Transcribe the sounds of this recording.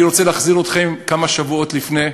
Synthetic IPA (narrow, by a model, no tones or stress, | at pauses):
iɾot͡seleːχziʁot̪χe̞mkamaʃavuo̞t̪lifne